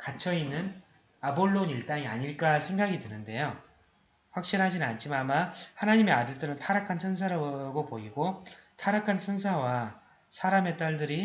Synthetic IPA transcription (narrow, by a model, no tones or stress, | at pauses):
kat͡ɕʰʌinːɯn | aboɭːoniɭt͈aŋia̰ɲiɭk͈asʰe̞ŋɡaɡidɯenɯnde̞jo | ɸwak̚ɕ͈inɦad͡ʑinnant͡ɕʰimamahanaɲime̞adɯɭt͈ɯɾɯntʰaɾakʰansʰɯns̬ʰaɾaɡopoiɡotʰaɾakʰansʰɯnsʰawa | sʰaɾame̞t͈aɭdɯɾi